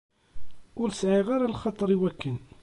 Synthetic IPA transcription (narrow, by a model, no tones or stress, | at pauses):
ʊɾsʕiʁaɾalχɑt̪ˤəɾˤiwækːən